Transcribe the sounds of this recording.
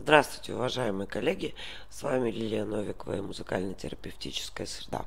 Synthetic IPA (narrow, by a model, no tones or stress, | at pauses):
zd̪ɾast̪vʊjtʲɪʊvɐʐajɪmɨjəkɐlʲːeɡʲɪ | svamʲɪlʲilʲɪənovʲɪkəvə̰imʊzɨka̰lʲnətʲɪ̰ɾəpʲɪftʲit͡ɕɪ̥skəjəsɾʲɪd̪a̰